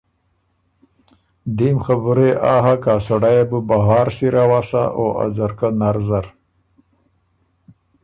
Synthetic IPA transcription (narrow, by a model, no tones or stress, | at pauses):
d̪imxabuɾeʔaɦakaːsaɽajebəbaɦɑːɾsiɾawasa̰ʔoʔa̰zaɾkanaɾzaɾ